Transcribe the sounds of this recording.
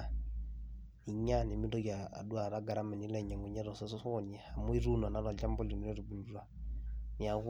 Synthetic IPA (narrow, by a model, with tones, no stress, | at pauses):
i˨ɲa˦ni˨mi˦dɔ˦ɡa˨a̰˨du˦a˨ɾa˦ɡa˨ɾa˦mɛ˨ni˦lɛ˨ɲa˨ŋɛ˨ɲɛ˦ɾɔ˨sɔ˦sɔ˦sɔɲɛ˨ha˨mu˦i˦ɾu˦na˨na˦ɾa˨d͡ʒa˦mbɔ˦li˨ni˨ɾɛ˦ɾi˨bu˨lu˦ɾa˨ni˨a˨ɣ